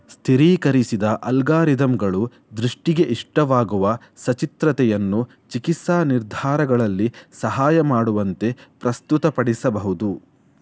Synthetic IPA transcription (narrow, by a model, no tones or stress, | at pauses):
st̪ʰiɾiːkɐɾisid̪ɐʔɐlɡaːɾid̪ɐmɡɐɭu | d̪ɾuʂʈiɡe̞ʔiʂʈɐʋaːɡuʋɐ | sɐt͡ʃit̪ɾɐt̪ɛjɐnːu | t͡ʃikisaːniɾd̪ʱaːɾɐɡɐɭɐlːisɐɦaːjɐmaːɽuʋɐnt̪e̞pɾɐst̪ut̪ɐpɐɽisɐbɐɦud̪u